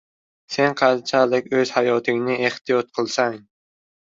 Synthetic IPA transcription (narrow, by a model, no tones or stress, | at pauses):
se̞nqʰɑnt͡ʃʰalɪkʲɵz̥hajɒt̪ʰɪŋnɪe̞ht̪ʰijɒt̪̚qʰɨlˠsaŋ